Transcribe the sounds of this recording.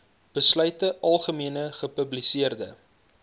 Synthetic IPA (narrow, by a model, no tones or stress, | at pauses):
b̥əslœɥtəʔɐlˠχəmiənəχəpɵblisiərdə̰